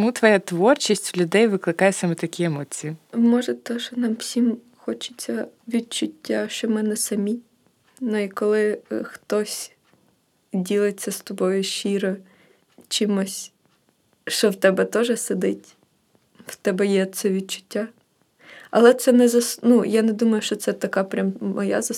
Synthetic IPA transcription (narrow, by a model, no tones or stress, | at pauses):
mut̪ʋɔjat̪ʋɔrt͡ʃʲisʲtʲlʲʊd̪ɛjʋɪklˠɪkajɛsamɛt̪ɐkʲiemɔt͡sʲijimɔʒɛt̪ɔʒɛnɑmw̥sʲim | xɔt͡ʃɪ̥t͡sʲːɐʋʲid̪̚t͡ʃʊtʲːaʃt͡ʃɔmɛnɛsɐmʲi | nuikɔlˠɪxt̪ɔsʲ | dʲilˠɪt͡sʲːɐst̪ɔbɔjʊʃiɾɔ | t͡ʃimɔsʲ | ʃt͡ʃɔwt̪ɛbɛt̪ɔʒɛsed̪ɪtʲ | w̥t̪ɛbɛjɛt̪sɛʋʲid̪̚t͡ʃʊ̥tʲːa | ɐ̰lˠɛt̪sɛnɛzɐsnujaned̪umɐjʊʃt͡ʃɔt̪sɛt̪ɐkɑpɾʲammɔja̰zɐ